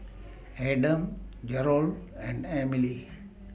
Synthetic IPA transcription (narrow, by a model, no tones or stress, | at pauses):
eːɖə̃md͡ʒɛɾoːlɛ̃ɳɖemili